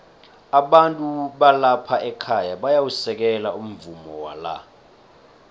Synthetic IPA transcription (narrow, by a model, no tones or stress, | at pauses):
aɓantʼuɓalapʰaʔɛkʰajaɓajawusɛk̬ɛlaum̩vumɔwa̰la̰